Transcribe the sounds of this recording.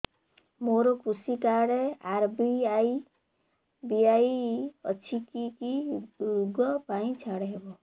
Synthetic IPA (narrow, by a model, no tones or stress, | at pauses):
moɾokusikaɽeaɾbiaj | biaiʌ̰t͡sʰikikiuɡʌpaĩt͡ʃʰaɽebo